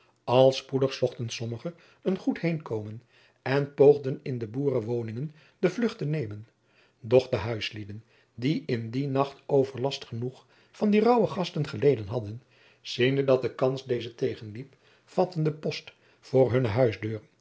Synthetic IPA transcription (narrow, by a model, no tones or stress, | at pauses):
ɑlˠspudəχsɔχtənsɔməχə | ənχuthejnkowmən | ɛnpowχdənɪndəbuːrəʋownɪŋən | dəvlɵχtənejmən | dɔχdəɦœɥslidən | diʔɪndinɑχtowvəɹlɑstχənuχ | fɑndirɑwəχɑstənχəlejdənɦɑdən | z̥indədɑt̚dəkɑnsdejzətejχənlip | fɑtəndəpɔst | fʊːɹɦɵnəɦœɥzdøːɹ